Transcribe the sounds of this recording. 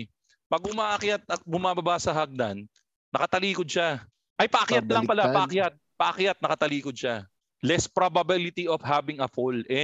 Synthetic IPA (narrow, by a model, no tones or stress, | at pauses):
pɐɡ̚ʊmaːʔɐkjat̪̚ɐt̪̚bʊmaːbɐbasɐɦɐɡ̚d̪a̰nː | ɐkɐt̪ɐliːkod̪ʃa | ʔɐjpɐʔɐkjat̪̚laŋpɐlapɐʔɐkjat̪̚pɐʔɐkjat̪̚nɐkɐt̪ɐliːkʊd̪̚ʃa | lɛspɾobɐbilɪt̪iʔofhabɪŋɐfolʔɛ